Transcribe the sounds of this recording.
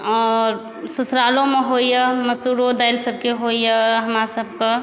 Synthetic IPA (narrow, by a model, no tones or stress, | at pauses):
ɔːɾ | susɾalõmeɦojəməsuɾod̪ajlsəb̚keɦojəɦəmɾasəb̚ke